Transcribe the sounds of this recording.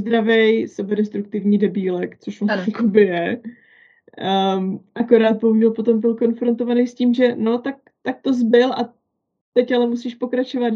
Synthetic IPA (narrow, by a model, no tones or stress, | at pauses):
zd̪ɾavɛjsɛbɛdɛst̪ɾuk̚t̪ɪvɲiːdɛbiːlɛkt͡soʃvajakobɪjɛ | ʔako̞ɾaːt̪̚bowɲulpo̞t̪o̞mbɪlko̞nfɾo̞nt̪o̞vanejsciːmʒɛno̞t̪ak̚ | t̪ak̚t̪o̞zbɪlʔa | t̪ɛcalɛmusiːʃpo̞kɾat͡ʃo̞vat̪